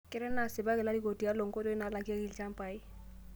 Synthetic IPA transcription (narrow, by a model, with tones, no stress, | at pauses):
kɪ˦ɾɛ˦na˨sɪ˨ba˦kɪ˨la˦di˦ko˨ti˨a˦lo˨ŋ˨ko˦to˦ɪ˦na˨la˨kɪ˦a˦ki˨lt͡ʃa˦mpa˨ɪ˦